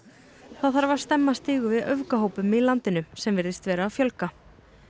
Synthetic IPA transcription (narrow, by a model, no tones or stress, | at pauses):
θaðθaɾvaɾ̥st̪ɛmːast̪ɪːɣʏvɪðœvkaɦoːwpʏmɪðlant̪ɪnʏsɛmvɪɾðɪst̪vɛːɾaːfjœlka